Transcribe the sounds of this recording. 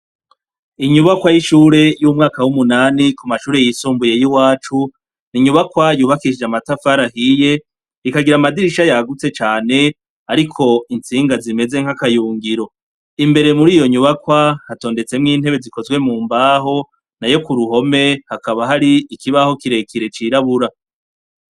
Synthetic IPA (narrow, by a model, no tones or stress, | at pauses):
iɲuβakwajiʃuːɾe̞jumŋaːkawumunaːnikumaʃuːɾe̞jisuːmbuje̞jiwaːt͡ʃu | niɲuβakwajuːβakiid͡ʒamatafaɾahije̞ | ikaɡiɾamadiɾiʃajaɡut͡se̞t͡ʃaːne̞ | aɾikʰo̞int͡siːŋɡazime̞ze̞ŋ̥hakajuːŋɡiɾo̞ | imbe̞ɾe̞muɾiːjo̞ɲuβakwahato̞ːnde̞t͡se̞mŋiːnhe̞βe̞ziko̞zɡwe̞muːmbaːɦo̞ | najo̞kuɾuɦo̞me̞hakaβaɦaɾiikʰiβaho̞kiɾe̞kʰiɾe̞t͡ʃiɾaβuɾa